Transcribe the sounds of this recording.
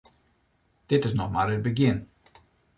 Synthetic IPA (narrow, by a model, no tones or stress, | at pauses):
d̥ɪtɪs̬nɔχmaːɾət̚bəɡɪn